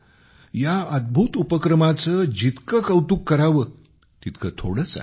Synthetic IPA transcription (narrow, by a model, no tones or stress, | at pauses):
jaəd̪̚bʱut̪upəkɾəmat͡səːd͡ʑit̪kəkəwt̪uːkːəɾaʋə | t̪it̪kʰət̪ʰoɽət͡sa̰